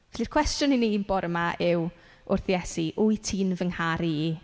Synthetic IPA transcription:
vɛɬirkʰw̥ɛstjʊnininbɔɾəmaʔɪw | ʊrθjɛsiʔʊjtʰiːnvəŋhaɾi

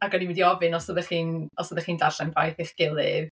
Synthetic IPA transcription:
aɡwɛdiwidiɔvɨnɔsəðɛχiːnɔsəðɛχiːndarɬɛnvajθeχɡ̥ɪlˠɨð

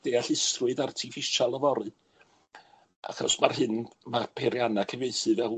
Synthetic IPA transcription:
d̥eːaɬɪstrʊɨðartʰifɪʃalˠəvɔɾɨ̥ | ʔa̰xɔsmarhɦɨnmapʰeɾjanakʰəvejθɨvɛl

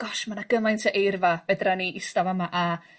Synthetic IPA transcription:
ɡ̥ɔʃmanaɡ̥əmajntʰəʔejrvavɛdraniʔɪstavamaʔa

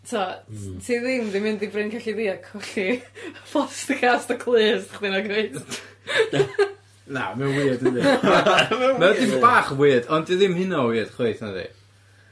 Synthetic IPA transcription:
tʰatʰiðɪmdɪmɪndibrɪnkʰaɬiðiːakʰɔɬifɔstəkʰastɔkʰlˠɨːsḁχdinaɡejst | na̰mɛwnwiːdəndi | mɛmɛwdɪmbaːχwiːdɔndiðɪmhɪnɔwiːəd̥χeɨθnaðḭ

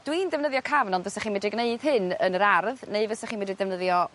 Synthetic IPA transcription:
d̥windɛvnəðjɔkʰavnɔndvəsɛχiːnmɛdiɡneɨd̥hɨnənəɾarðneɨvəsɛχiːnmɛdidɛvnəðjɔ

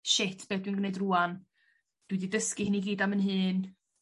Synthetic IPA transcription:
ʃɪtʰb̥eːdwinɡwnejdruːan | d̥wididəskihɪniɡiːdamənɦɨːn

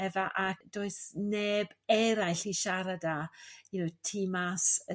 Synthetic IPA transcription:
ɛvaʔad̥oːɨsneːbɛɾajɬiʃaɾadajunotʰiːmasə

